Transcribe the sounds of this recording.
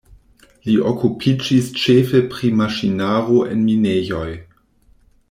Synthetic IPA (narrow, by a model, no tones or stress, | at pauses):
liʔokupʰid͡ʒist͡ʃefepɾimaʃinaɾoʔḛnminejo̞j